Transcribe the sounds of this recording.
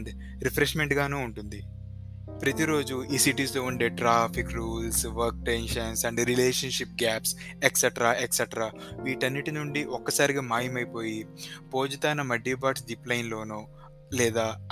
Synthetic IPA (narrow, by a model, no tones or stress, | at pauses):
d̪i | ɾipʰɾeʂmeɳʈɡaːnuːuɳʈund̪i | pɾɐt̪iɾo̞ːd͡ʒuʔiːsiʈiːslo̞ːuɳɖe̞ːʈɾaːpʰikɾuːlsʋɐɾk̚ʈenʃɐnsɐɳɖɾileːʂɐnʂip̚ɡaːps | eksɐʈɾaːʔeksɐʈɐɾaːʋiːʈɐnːiʈinuɳɖiʔɔkːɐsaːɾiɡaːmaːjimɐjipo̞ːjipo̞ːd͡ʒɐt̪aːnɐmɐɖːibaːʈsɖiplɐjnlo̞ːnuː | lɛːd̪aː